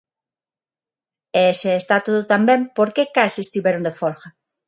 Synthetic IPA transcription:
eeseːst̪at̪oðot̪ambẽmpoɾkekasiest̪iβeɾond̪efoɾxa

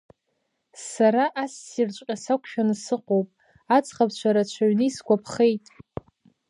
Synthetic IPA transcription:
saɾaʔasːirt͡ʃʷʼqʲʼasakʷʰʃᶣanɨsɨqʷʼowpʼ | at͡sʼχapʰt͡ɕʷʰaɾat͡ʃʷʰaɥniisɡʷapʰχe̞jtʼ

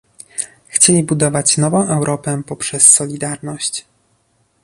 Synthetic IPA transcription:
xt͡ɕelʲibud̪ɔvat͡ɕnɔvɔ̃w̃ʔɛwɾʔɔpɛpɔpʂɛsːɔlʲid̪aɾnɔɕt͡ɕ

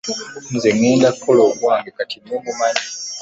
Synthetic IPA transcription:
n̩zeŋeːndakoloɡwaːŋɡekatimeːmumani

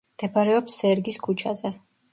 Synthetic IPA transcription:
md̪̥ɛbaɾɛɔpsːɛɾɡiskʰut͡ʃʰazɛ

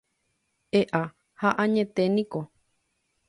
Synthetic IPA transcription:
eʔa | haʔãɲẽt̪enĩko

